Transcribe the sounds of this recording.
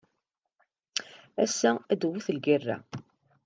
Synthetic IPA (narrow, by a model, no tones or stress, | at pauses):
æsːææd̪wːuθəlɡirːæ̰